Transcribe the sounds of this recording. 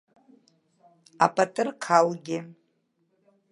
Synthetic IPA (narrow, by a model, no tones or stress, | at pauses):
a̰pʼatʼɨrkʰalɡʲɪ